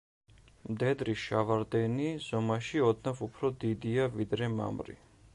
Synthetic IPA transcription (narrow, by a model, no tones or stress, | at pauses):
md̪ɛd̪ɾiʃavaɾd̪ɛniz̥ɔmaʃiɔd̪navupʰɾɔd̪id̪iavid̪ɾɛma̰mɾḭ